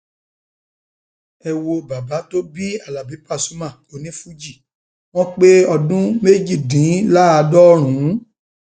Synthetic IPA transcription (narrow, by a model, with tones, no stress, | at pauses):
ɛ˧wo˧ba˨ba˨˦to˦bi˦a˦˨la˨bi˨˦pa˦˨su˨˦mã˦˨o˨nĩ˨˦fu˦d͡ʒi˦˨ | w̃ɔ̃˦k͡pe˦ɔ˧dũ˦me˦d͡ʒi˦˨dĩ˨˦la˦a˧dɔ˦ɾ̃ũ˨˦